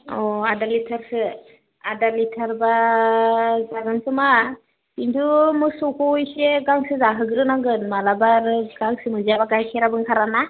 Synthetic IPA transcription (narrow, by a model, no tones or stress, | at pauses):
ɔadalitʰaɾsɯ | adalitʰaɾba | zaɡansɯma | kintʰumusukʰujseɡaŋsɯzaɦɯɡɯɾɯnaɡɯnmalabaɾɡaŋsɯmɯzabaɡajsʰɛɾabɯŋkʰaɾana